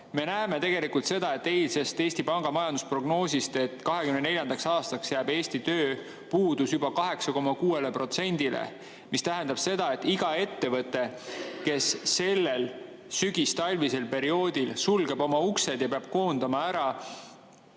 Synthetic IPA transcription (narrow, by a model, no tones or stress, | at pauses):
me̞næeme̞t̪e̞ɡ̥e̞likult̪se̞d̪ɑe̞t̪ːe̞jlse̞st̪e̞ːsʲt̪ipɑŋɡ̥ɑmɑjɑnd̪uspro̞ɡ̥no̞ːsist̪e̞t̪ːˑkɑɦe̞kymnenelʲjɑnd̪ɑksɑːst̪ɑksjæːbe̞ːsʲt̪it̪øː | puːd̪̥usjub̥ɑkɑɦe̞ksɑko̞mɑkuːe̞lepro̞t̪se̞nʲd̪̥ilḛ | mist̪æɦend̪̥ɑb̥se̞d̪̥ɑe̞t̪ːiɡ̥ɑe̞t̪ːe̞vɤt̪ːˑe̞ke̞sːe̞lːe̞l | syɡ̥ist̪ɑlʲvise̞lpe̞ɾio̞ːd̪̥ilsulɡe̞bo̞mɑuksed̪̥jɑpeɑb̥ko̞ːnd̪̥ɑmɑæɾɑ